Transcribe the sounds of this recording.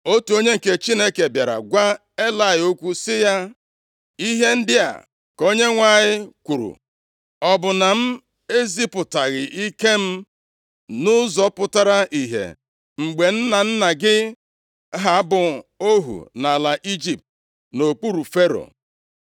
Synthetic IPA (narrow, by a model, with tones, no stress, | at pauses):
o˦tu˨o˦ɲe˦ŋ̩˨ke˦t͡ʃi˦ne˦ke˨bja˨ɾa̰˨ɡʷa˦ | e˦la˨ɪ˨o˦kʷu˦sɪ˦ja˦ | i˦ɦe˦n̩˦dɪ˦a̰˨ | ko˦ɲe˦ŋʷa˨ɲɪ˦kʷu˨ɾṵ˨ | ɔ˨bʊ˨na˨m̩˦ | e˦zi˦pʊ˨ta˨ɣɪ˨ʔi˦ke˦m̩˦ | nʊ˦zɔ˨˦pʊ˦ta˦ɾa˦ʔi˨ɦḛ˨ | ŋ͡m̩˨ɡ͡be˨n̩˦na˨n̩˦na˨ɡɪ˦ | ɦa˨˦bʊ˨o˦ɦṵ˨na˨la˨ʔi˦d͡ʒi˨p̚t̚ | no˨k͡pu˦ɾu˨fe˦ɾo̰˨